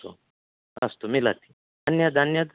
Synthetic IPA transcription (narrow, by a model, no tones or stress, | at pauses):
o̰ | ɐ̰st̪omila̰t̪i̥ | anjad̪ʱanjad̪